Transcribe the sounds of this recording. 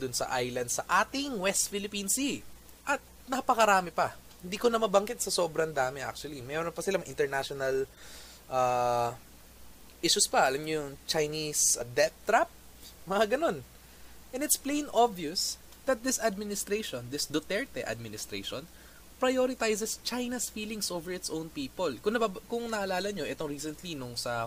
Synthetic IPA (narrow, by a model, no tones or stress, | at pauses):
d̪ʊnsɐ̰ʔajlɐnd̪sɐʔaːt̪ɪŋwɛst̪fɪlɪpinsi | ʔɐt̪̚nɐpɐkɐɾaːmɪpɐ | hɪ̃nd̪iːkonɐmɐbɐŋkɪt̪̚sɐso̞ːbɾɐnd̪aːmɪʔa̰k̚t͡ʃʊwɐlimɛɾonpɐsɪlamɐʔɪnt̪ɛɹnaʃonɐl | ʔaː | ʔiʃʊspɐʔɐlamɲojʊŋt͡ʃɐjnisd̪ɛt̪t̪ɾap̚ | mɐŋaɡɐno̞n | ʔɛ̃nɪt̪splẽjnʔobjʊs | d̪̥ɐt̪̚d̪ɪsɐd̪̚mɪnɪst̪ɾeʃõnd̪ɪsd̪ot̪ɛɹt̪ɛʔɐ̰d̪̚mɪnɪst̪ɾḛjʃõn | pɹɐjoɾɪt̪ajsɛst͡ʃajnɐsfiːlɪŋsʔoːvɛɹɪt̪sʔõwnpiːpolkʊnɐbakʊŋnɐʔɐlaːlɐɲoʔɛt̪oŋɹiːsɛnt̪linʊŋsɐ